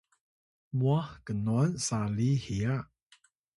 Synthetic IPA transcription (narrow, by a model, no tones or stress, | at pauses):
muahkənɔnsalihia